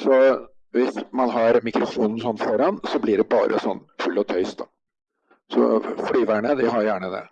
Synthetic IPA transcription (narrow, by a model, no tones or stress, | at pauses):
sɔ | ʋɪsmɑnɦɑɾmɪkɾʊfuːnn̩sɔnːfɔɾɑnsɔblɪɖɛbɑ̰ːɾʔə̰sɔnːfʉlːɔt̪ʰœʏst̪̚ːɑ | sɔ̰flyːʋæɳəd̪ɪɦɑɾjæːɳəd̪ɛ̰